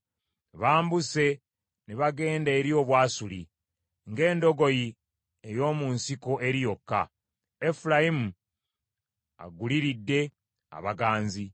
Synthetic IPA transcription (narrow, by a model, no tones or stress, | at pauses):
βaːmbuse̞ | neβaɡe̞ːndeːɾjo̞ːβwaːsuli | ŋɡe̞ːndo̞ɡo̞ji | ejo̞ːmunsiko̞ʔe̞ɾijo̞kːa̰ | efulajimu | a̰ɡuliɾidːe̞ | a̰βaɡaːnzi